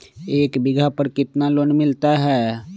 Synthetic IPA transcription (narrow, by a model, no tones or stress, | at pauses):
eːkbɪɡʱapəɾkɪt̪naloːnmɪlt̪aɦɛː